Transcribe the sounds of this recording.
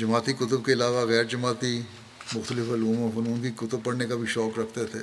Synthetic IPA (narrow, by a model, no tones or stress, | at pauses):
d͡ʒɐmaːt̪ikʊt̪əb̚keɪlaːʋaɣɛːɾd͡ʒɐmaːt̪i | mʊxt̪əlɪfɐluːmõfʊnuːnkikʊt̪əb̚pɐɽnekabʱiʃɔːkɾɐkʰt̪et̪ʰeː